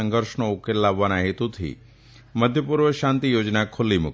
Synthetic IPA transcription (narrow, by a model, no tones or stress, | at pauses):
ə̃ŋɡəɾʃɳoukeɾlaʋːanaɦet̪ut̪ʰḭ | məd̪ʱjəpuɾʋəʃãnt̪ijoːd͡ʒnakʰʊlːimʊ̰k